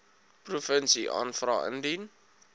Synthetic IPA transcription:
prufənsiʔɑ̰ːnfrɑ̰ːə̰ndin

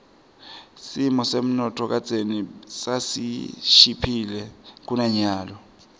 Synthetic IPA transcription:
simɔsem̩nɔtʰɔk̬at͡sʼenisasḭʃipʰilɛk̬unaɲaːlɔ

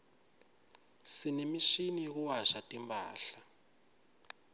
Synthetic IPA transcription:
sinemiʃiniɣuwaʃatimba̰ːɬa

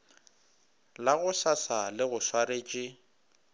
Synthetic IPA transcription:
laɣʊsasalɪɣʊswaɾeːt͡ʃʼɪ

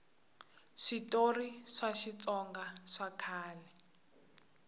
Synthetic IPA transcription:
ʂitoriʂaʃit͡sʼɔŋɡaʂakʰaːlɛ

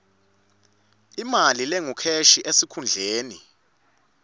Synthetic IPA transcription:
imalilɛŋukʰeʃiʔesikʰund͡ɮʱeːni

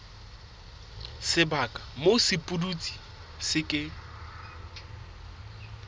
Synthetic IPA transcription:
sɪbakʼḁmosɪpʼudut͡sʼi̥ | sɪkʼɪ

